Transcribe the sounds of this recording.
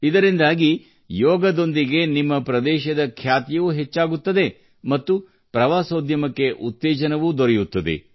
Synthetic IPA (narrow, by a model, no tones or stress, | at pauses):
id̪ɐɾind̪aːɡi | jɔːɡɐd̪o̞nd̪iɡe̞nimːɐpɾɐd̪ɛːʃɐd̪ɐkʰjaːt̪jɐʋuɦet͡ʃːaːɡut̪ːɐd̪e̞ | mɐt̪ːu | pɾɐʋaːsoːd̪jɐmɐkːe̞ʔut̪ːɛːd͡ʒɐnɐʋud̪oɾɛjut̪ːɐd̪ḛ